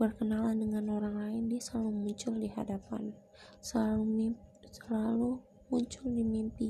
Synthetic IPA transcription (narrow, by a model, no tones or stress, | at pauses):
bərkənalandəŋanoɾaŋlaɪndiasəlalumuɲt͡ʃʊldiɦa̰dapa̰n | səausəlalu | muɲt͡ʃʊldimimpi